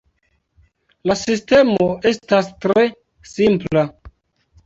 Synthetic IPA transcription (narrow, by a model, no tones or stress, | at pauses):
lasiste̞mo̞ʔe̞stastɾe̞ | simpla